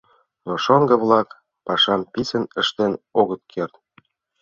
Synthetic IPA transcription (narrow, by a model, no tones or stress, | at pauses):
noʃoŋɡə̆βlɑk | pɑʃɑmpisə̆nə̆ʃt̪enoɣət̪̚kʰert̪̚